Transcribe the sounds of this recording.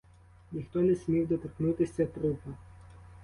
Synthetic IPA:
nʲixt̪ɔnʲɛsʲmʲiwd̪ɔt̪ɪɾknut̪ɪsʲɐt̪ɾupɐ

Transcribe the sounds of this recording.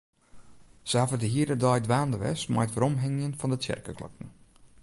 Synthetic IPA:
səafədəɦiədədɔjdʋaːndəʋɛ̰sma̰jətfəɾɔmɦɛŋjənfɔndətjɛ̰rkəkʰlɔ̰k̚nə

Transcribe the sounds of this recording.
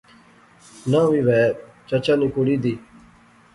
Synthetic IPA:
nãːʋiːʋɛːt͡ʃat͡ʃãːniːkoɽiːd̪iː

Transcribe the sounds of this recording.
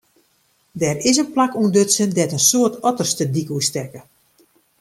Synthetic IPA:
dɛːrɪsənplakuəndøtsəndɛtənsoətɔtərstədikustɛkə

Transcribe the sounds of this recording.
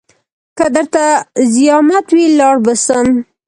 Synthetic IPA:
kəd̪əɾt̪azijɑmat̪wilɑɽbəsəm

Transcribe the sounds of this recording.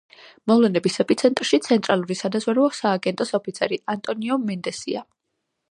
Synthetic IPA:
mɔvlɛnɛbisɛpʰʼit̪sʰɛnt̪ʼɾʃit̪sʰɛnt̪ʼɾalˠuɾisad̪azvaɾɛɔsaːɡɛnt̪ʼɔsɔpʰit̪sʰɛɾiant̪ʼɔniɔmɛnd̪ɛsḭa

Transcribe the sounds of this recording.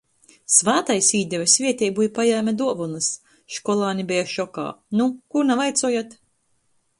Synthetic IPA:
svaːt̪ajsiːd̪ʲɛvʲɛsvʲiɛt̪ʲɛjbuːjpajaːmʲad̪uɔvunɨs | ʃkɔlˠaːnʲibɛjaʃɔka̰ːnukuɾnavajt̪suɔːjat̪

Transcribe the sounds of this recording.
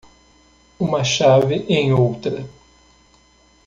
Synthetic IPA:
ũmɐʃavɪʔẽj̃owt̪ɾɐ

